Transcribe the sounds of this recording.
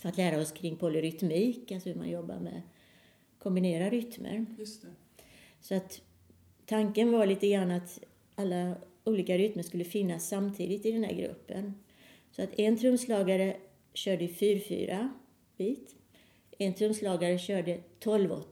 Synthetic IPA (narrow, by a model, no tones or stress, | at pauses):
fat̪læːɾaɔskʰɾɪŋːpʰɔlɪɾʏt̪miːkalsɔhɵɾma̰njɔbːa̰ɾmɛ̰ | kʰɔmbɪneːɾaɾʏt̪mə̰ɾj | sɔat̪ʰː | aŋkənvaɭiːt̪əɡɾanːat̪ | alːa | uːliːkaɾʏt̪məʂkɵlːəfɪnːasːamt̪ʰḭːd̪ɪt̪ɪd̪ɛnhæ̰ɾɡɾɵ̰pːə̰n | sɔat̪ɛnt̪ʰɾɵmslɑːɡaɾə | ɕœːɖəɪfyːɾfy̰ːɾʔa | b̥iːt̪ | ɛnt̪ʰɾɵmslɑːɡaɾəɕœːɖət̪ʰɔlvɔ̰